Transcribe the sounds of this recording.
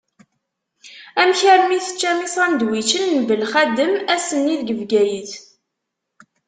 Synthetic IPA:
æmçəɾmiθə̥t͡ʃːæmisˤɑnd̪wit͡ʃənnəbəlχæd̪əmæsənːiðɡəvɡæjəθ

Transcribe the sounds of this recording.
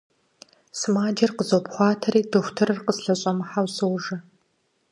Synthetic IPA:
smaːdɐrqəzɐowpχʷɑːtʰɐɾiːdʰɨxʷtʰɨrɨrqəsɬɐɕʼɐmħawsɨwʒɐ

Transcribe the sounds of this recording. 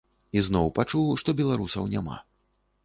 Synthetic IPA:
iznɔwpat͡ʂuwʂt̪ɔbʲɛlˠaɾusɐwnʲama̰

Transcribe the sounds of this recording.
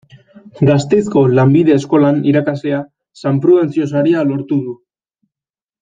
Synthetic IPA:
ɡast̪e̞sko̞lambið̞e̞ːsko̞laniɾakaslea | sampɾuðe̞nt͡sio̞saɾialo̞ɾt̪uðu

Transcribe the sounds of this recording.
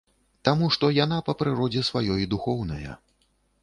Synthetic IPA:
t̪amuʂt̪ɔjan̪apɐpɾɨɾɔd͡zʲɛsvajɔjid̪uxɔwnɐjɐ̰

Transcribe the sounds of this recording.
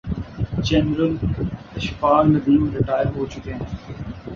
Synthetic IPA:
d͡ʒɛnɾəl | ɐʃpaːɾnɐd̪iːmɾɪʈaːjəɾɦoːt͡ʃʊkeɦɛ̃ː

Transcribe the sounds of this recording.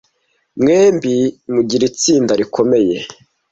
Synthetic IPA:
mŋeːmbimuɟiɾit͡siːndaɾikʰo̞me̞je̞

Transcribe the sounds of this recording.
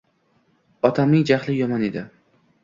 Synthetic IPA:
ɒt̪ʰamnɪŋd͡ʒaχlˠɪjɒmɒned̪ɪ

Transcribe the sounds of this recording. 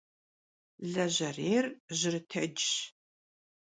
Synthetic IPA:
ɮɐʑɐreːrʑɪrɨtʰɐd͡ʒɕ

